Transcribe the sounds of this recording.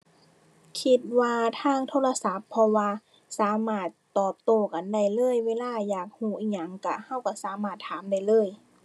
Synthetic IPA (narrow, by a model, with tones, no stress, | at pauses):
kʰi˧t̪̚waː˧t̪ʰaː˧˩˨ŋt̪ʰoː˧˥˨la˧sa˧˦pʰːɔ˧waː˧ | saː˨˦maː˧˩t̪ːɔː˨˩p̚t̪oː˧˩ka˨nda˧˩jlɤː˧˥˨jweː˧˥˨laː˧˩jaː˨˩k̚huː˧˩ʔiː˧˩k̚ɲa˧˩ŋka˧˩ha˧˥˩wka˧˩saː˨˦maː˧˩t̪ʰːaː˨˦mda˧˩˨jlɤː˧˥˨j